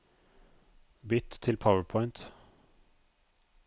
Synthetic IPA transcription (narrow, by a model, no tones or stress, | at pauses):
bɪt̪ʰːɪlpʰaʊəpʰɔʏnt̪